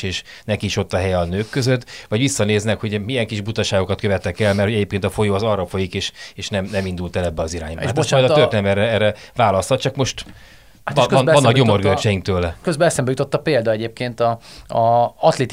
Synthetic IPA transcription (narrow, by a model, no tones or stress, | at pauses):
eːʃ | nɛkiːʃo̞t̪ːɒɦɛjɛɒnøːkːøzøt̪ːʋɒɟʋisːɒneːznɛkho̞ɟmijɛŋkiʒbut̪ɒʃaːɡokɒt̪køvɛt̪ːɛkɛlmɛrtho̞ɟɛɟeːpkeːnt̪ɒfo̞joːɒzɒrɒfo̞jikeːʃeːʃnɛmnɛmind̪ult̪ɛlɛbːɛɒziɾaːɲbɒaesmɔjd̪ɒørt̪eːnɛmɛrɛɛrɛvaːlɒst̪hɒt̪t͡ʃɒkmo̞ʃt̪ | at̪knɒnːɒkɟomo̞rɡølt͡ʃɛjiŋkt̪øːlɛkøzbɛlɛsɛmbɛjut̪ot̪ːɒpeːld̪ɒɛɟeːp̚keːnt̪ɒɒɒt̪leːt̪